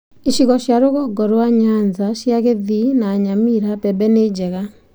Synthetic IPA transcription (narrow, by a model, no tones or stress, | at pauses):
iʃiɣɔɕjaɾoɣɔɡɔɾoaɲanzaʃjaɣeðinaːɲamiɾapɛbɛned͡ʒɛɣa